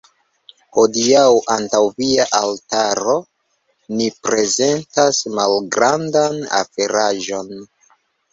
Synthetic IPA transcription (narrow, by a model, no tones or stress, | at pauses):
ho̞diawʔantawviaʔaltaɾo̞ | nipɾe̞ze̞ntasmalɡɾandana̰feɾaʒo̞n